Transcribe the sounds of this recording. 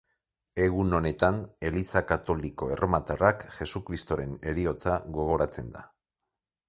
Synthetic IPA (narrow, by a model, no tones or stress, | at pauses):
e̞ɣuno̞ne̞t̪ane̞lisakat̪o̞liko̞e̞rʔomat̪arakxe̞sukɾist̪o̞ɾe̞ne̞ɾio̞t͡saɣo̞ɣ̞o̞ɾat͡se̞nd̪a